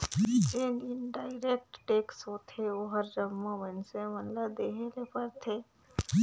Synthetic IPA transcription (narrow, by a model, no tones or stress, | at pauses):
d͡ʒeːnɪnɖaːɪɾeːk̚ʈʈeːksoːt̪ʰeoɦəɾd͡ʒəmːõʋənsemənlabd̪eːɦelepɐɾt̪ʰeː